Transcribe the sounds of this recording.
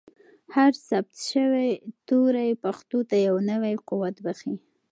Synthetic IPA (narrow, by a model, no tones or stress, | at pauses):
haɾsabt̪ʃəwejt̪uɾajpaxt̪ot̪ajawnəwajquwat̪baxi